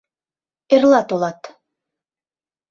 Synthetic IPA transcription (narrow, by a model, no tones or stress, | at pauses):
erlˠɑt̪olˠɑt̪